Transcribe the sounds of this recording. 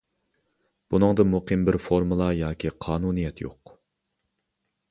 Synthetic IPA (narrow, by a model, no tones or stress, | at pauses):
b̥unɨŋd̪ɨmuqʰɨmbɪɾfoɾmɨlˠɑjɑːkʲʰiqʰɑːnunijɛt̪ʰjo̰q